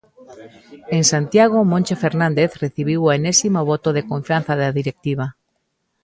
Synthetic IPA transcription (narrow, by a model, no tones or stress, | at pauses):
eŋsant̪jaɣ̞omõnʲt͡ʃefeɾnãnd̪eθreθiβ̞iwoenesimoβot̪oðekoɱfjanθaðaðiɾek̚t̪iβ̞a